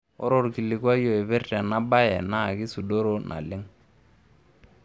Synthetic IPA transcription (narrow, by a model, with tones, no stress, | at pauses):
ɔ̰˦ɾɔ˦rki˨lɪ˨kwa˦jɔ˨ɛ˨bɛ˦rta˨na˦ba˦jɛ˨na˦˨kɪ˦su˨do˦ɾo˦nʔa̰˨lɪ˦ŋ